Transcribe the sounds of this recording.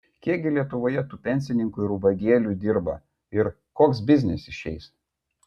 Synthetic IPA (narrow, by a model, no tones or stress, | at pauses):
kʲiɛɡʲɪlʲiɛt̪ʊʋoːjɛt̪uːpʲɛnʲsʲɪnʲɪŋkʊɪɾubɐɡʲiɛlʲuːd̪ʲɪɾbɐ̰ | ɪɾ | koːksbʲɪzʲnʲɛsɪʃʲɛɪs